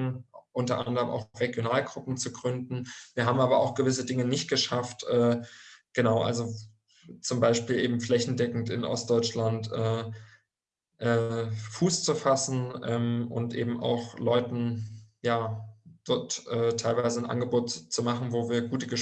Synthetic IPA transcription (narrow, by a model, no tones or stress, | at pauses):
ʔʊntɐʔandəʁəmʔa̰ʊxʁ̥eɡjonaːlɡʁʊpm̩t͡suɡʁʏndn̩viːɐɦaːbm̩ʔaːbɐa̰ʊxɡ̥əvɪs̬ədɪŋənɪçt̚ɡ̥əʃaftʔɛːɡ̥ənaʊʔa̰lzo | t͡sʊmbaɪʃpiːlʔeːbm̩flɛçn̩dɛkŋ̩tɪnʔɔ̰st̚d̥ɔʏt͡ʃlantʔɛː | ʔɛːfuːst͡sufasn̩ʔɛːmʔʊ̰ntʔḛːbm̩ʔa̰ʊxlɔʏtn̩jaːd̥ɔɐtʔɛːtʰaɪlvaɪzənʔa̰nɡəboːtt͡sumaχn̩voːviːɐɡuːtəɡəʃ